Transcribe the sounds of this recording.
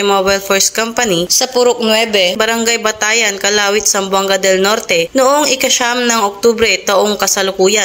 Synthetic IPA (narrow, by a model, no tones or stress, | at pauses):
ɪmobajlfoɹskampɐnisɐpʊɾʊk̚nwɛbɛbɐɾɐŋɡajbɐt̪aːjɐnkɐlaːwɪt̪̚sɐmbwɐŋɡaɐd̪ɛlnoɾt̪ɛnoʔoŋɪkɐʃamnɐŋʔok̚t̪ubɾɛt̪ɐʔoŋkɐsɐlʊkuːjɐ